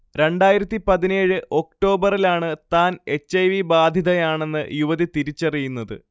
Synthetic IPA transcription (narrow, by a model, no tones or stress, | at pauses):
ɾe̞ɳɖaːjiɾɐt̪ːipɐðine̞ːɻɨʔo̞k̚ʈo̞ːbɐrilaːɳɨt̪aːne̞t͡ɕːɐjʋibaːd̪ʱjiðɐjaːɳe̞nːɨ̰juʋɐðit̪iɾit͡ɕːɐrijunːɐðɨ̰